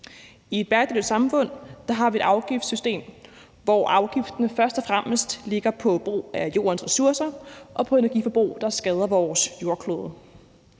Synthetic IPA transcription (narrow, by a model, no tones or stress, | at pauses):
ie̝̥b̥æɐɡd̥e̥sɑ̈mfɔ̽n̰d̥ɑ̈ɦɑ̈ʋie̝d̥ɑ̈ʊɡ̥ifd̥sysd̥e̝̰ːm | ʋɒʔɑ̈ʊɡ̥ifd̥ɐnəfɶɐsd̥ɒ̽fʁaməsd̥le̝ɡ̥ɐpʰɒ̽b̥ʁṵːæjo̝̰ːɐnsʁɛsuɐsɐʔɒ̽pʰɒ̽e̝nɐɡ̥ḭːfɒ̽b̥ʁṵːd̥ɑ̈sɡ̥ɛð̞ˠɐʋɒːsjo̝ɐkʰloːð̞ˠə